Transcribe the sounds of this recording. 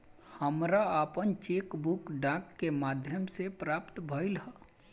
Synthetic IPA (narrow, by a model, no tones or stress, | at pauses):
həmɾaəpənt͡ʃeːkbukɖãːkːemaːd̪ʱjəmsepɾaːpt̪bʱəɪlɦa